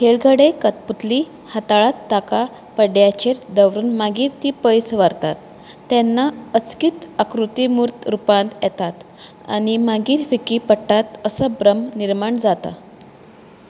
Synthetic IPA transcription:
kʰeɭɡʱəɽekət̪put̪li | hat̪aɭat̪ːaka | pəɖjat͡ɕeɾd̪əʋɾuːnmaɡiːɾt̪iːpəjsʋəɾt̪at̪ː | ɛnːaət͡skiːt̪akɾut̪imuɾt̪ɾupãnt̪jɛt̪at̪ | a̰ɽ̃imaɡiːɾfikipəʈːat̪əsəbɾəmniɾmaɳd͡zat̪a̰

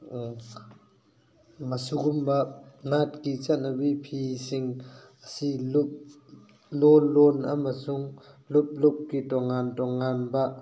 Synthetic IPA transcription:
masuɡumbanatkit͡sanabipʰisiŋasilup̚ | lɔlːɔnʔa̰masuŋ | lup̚lup̚kitɔŋantɔŋːanba

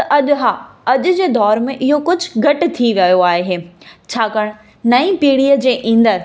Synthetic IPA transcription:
t̪ɐʔɐʄɦaːɐʄʊ̆d͡ʑeːd̪ɔːɾmẽʔɪɦokʊd͡ʑʱɡɐʈ̆t̪ʰiʋɐjoaːɦɦeːt͡ɕʰaːkɐɽ̃ | nɐĩpiːɽiːəd͡ʑeːʔĩːnd̪əɾ

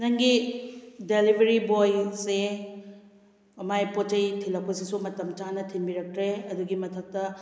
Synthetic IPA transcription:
nɐŋɡi | delibʱɐɾibojse | ɐmajpot͡ʃɐjtʰilɐk̚pɐsisumɐtɐmt͡ʃanɐtʰimbiɾɐk̚tɾeɐduɡimɐtʰɐk̚tɐ

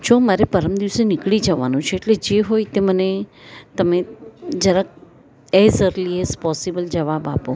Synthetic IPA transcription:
d͡ʒomaɾepəɾəmd̪iʋsenɪkɭid͡ʒəʋa̰nũt͡ʃʰeːʈled͡ʒeɦojt̪emənet̪əmed͡ʒəɾək̚ | ezəɾliezpɔsibəld͡ʒəʋaba̰po

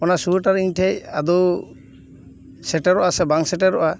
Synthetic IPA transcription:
ɔnasuuʈaɾiɲtʰɛjad̪ɔ | sɛʈaɾɔʔasɛbaŋsɛʈɛɾɔʔa

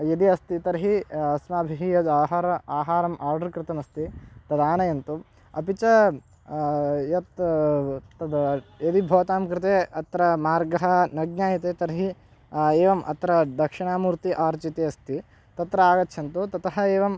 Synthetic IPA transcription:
jɐd̪iɐst̪it̪ɐɾɦiɐsmaːbʱiɦijɐd̪aːɦaːɾɐaːɦaːɾɐmʔaːɾɖɐɾkɾɪt̪ɐnɐst̪it̪ɐd̪aːnɐjɐnt̪u | ɐpit͡ʃɐ | jɐt̪ | t̪ɐd̪jɐd̪ibʱɐːt̪aːmkɾɪt̪eːɐt̪ɾɐmaːɾɡɐɦɐ̆nɐɡ̚ɲaːjɐt̪eːt̪ɐɾɦi | eːʋɐmʔɐ̰t̪ɾɐd̪ɐkʂɪɳaːmuːɾt̪iʔaːɾt͡ʃit̪eːɐst̪i | t̪ɐt̪ɾɐaːɡɐt̪ːʃʰɐnt̪ut̪ɐt̪ɐɦɐeːʋɐm

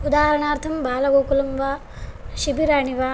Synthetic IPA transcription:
ud̪aːɦɐɾɐɳaːɾt̪ʰɐmbʱaːlɐɡoːkulɐmʋaː | ʃibiɾaːɳiʋaː

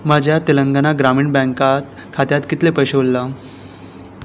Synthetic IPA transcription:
mad͡ʑʱjat̪iləŋɡanaɡɾamiːɳbɛ̃ŋkat̪ | kʰat̪jat̪kit̪lepəjɕeulːa

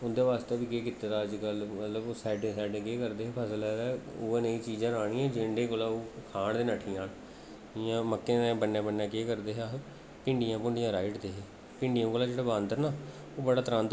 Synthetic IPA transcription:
ʊnd̪eːʋaːst̪eːbiːkeːkɪt̪ːt̪aːəd͡ʒkəlmət̪ləboːsɛːɖẽːsɛːɖẽːkeːkəɾd̪eːɦɛːpʰəsəlɛːɾɛːoːẽnəĩːt͡ʃiːd͡ʒãːaːɽ̃ĩːɛ̃ːd͡ʒeɳɖẽːkoːlaːoːkʰaːɳd̪eːnəʈʰiːãːn | ɪjãːməkːẽt̪ãːbənːãːbənːãːkeːkəɾd̪eːɦaː | pɪɳɖijãːpʊɳɖijãːɾaːɪʈd̪eːɦeː | pɪ̃ɳɖijãːkoːlaːd͡ʒeːɽaːbãːnd̪əɾnaː | oːbəɽaːt̪əɾãːnd̪

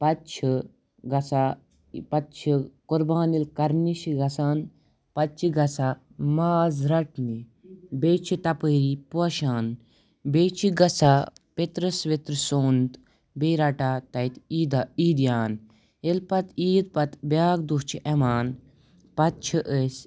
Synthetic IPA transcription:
pɐtt͡ʃʰi | ɡɐsa | pɐt̪̚t͡ʃʰikuɾbaːnilkɐɾniʃiɡɐsaːn | pɐtt͡ʃʰiɡɐsa | maːzɾɐʈni | beːt͡ʃʰit̪ɐpəːɾipuɐʃaːn | beːt͡ʃʰiɡɐsapet̪ɾɐsʋet̪ɾɨsoːnt̪ | beːɾaʈaːt̪ɐjt̪iːd̪aiːd̪jaːn | elpɐt̪iːd̪̚pɐt̪bʲjaːɡ̚d̪uɦt͡ʃʰiʔemaːn | pɐt̪̚t͡ʃʰiʔəsʲ

